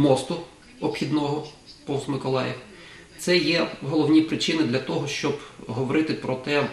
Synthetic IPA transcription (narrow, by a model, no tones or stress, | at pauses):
mɔst̪ʊ | ɔpxʲid̪nɔɦɔ | pɔwsmɪkɔlˠɑjɪ | t̪sɛjɛɦɔlˠɔwnʲipɾɪt͡ʃɪnɪd̪lʲɐt̪ɔɦɔʃt͡ʃɔbɦɔʋɔɾɪt̪ɪpɾɔt̪ɛ